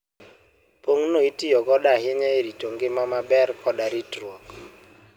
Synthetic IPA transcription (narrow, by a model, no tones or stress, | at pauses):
poŋnoitijɔɡɔɗaɦɪɲɛeɾitoŋɡemamabɛɾkʰɔɗaɾitɾɔk